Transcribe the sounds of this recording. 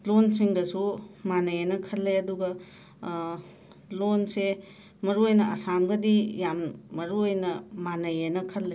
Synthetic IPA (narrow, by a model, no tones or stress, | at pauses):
lonsiŋdɐsumanɐjenɐkʰɐlːeɐduɡɐ | lonse | mɐɾuojnɐɐsamɡɐdijamːɐɾuojnɐmanɐjenɐkʰɐlːe